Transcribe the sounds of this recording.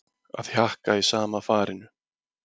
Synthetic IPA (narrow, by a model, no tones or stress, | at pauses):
a̰ðçjahkaisaːmafaːɾɪnʏ